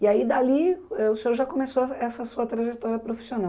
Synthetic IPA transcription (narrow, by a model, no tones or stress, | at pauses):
iaid̪aliɛʊseoɾʒakomesoɛsɐsuɐt̪ɾaʒet̪ɔɾjɐpɾofi̥sionaw